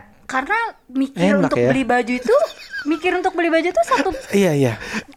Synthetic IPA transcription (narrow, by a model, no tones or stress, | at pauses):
karənamikɪɛɾnunak̪t̪ʊbəlibad͡ʒut̪umikɪɾunt̪ʊk̚bəlibad͡ʒut̪usat̪uijaija